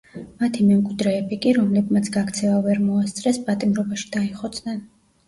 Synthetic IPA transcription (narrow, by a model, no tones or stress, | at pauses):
mat̪ʰimɛmkʼwid̪ɾɛːbikʼiɾɔmlɛbmat̪sʰɡakʰt̪sʰɛvavɛɾmɔast̪sʼɾɛspʼat̪ʼimɾɔbaʃi̥d̪̥aiχɔt̪sʰʼnɛn